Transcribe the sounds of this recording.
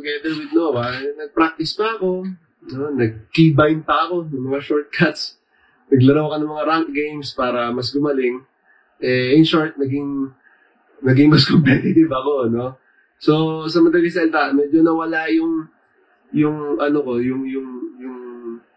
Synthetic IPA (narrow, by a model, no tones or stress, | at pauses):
t̪ʊɡɛd̪ɛɹwɪd̪̚nowɐaɐnɐnɐɡ̚pɾak̚t̪ɪspɐɐko̞ | nonɐɡ̚kibajnpɐɐko̞nʊŋmɐŋaʃoɹt̪̚kʰat̪s | nɐɡlɐɾawɐkonɐŋmɐŋaɾaŋt̪̚ɡejmspaːɾɐmɐs̬ɡʊmɐlɪŋ | ʔɛɪnʃoɹt̪̚nɐɡɪŋ | nɐɡɪŋmɐskompɛt̪ɪt̪ɪvɐko̞no̞ | so̞sɐmɐt̪ɐlɪs̬ɐɛlt̪amɛd͡ʒonɐwɐlajʊŋ | jʊŋʔɐnoko̞jʊŋjʊŋjʊŋ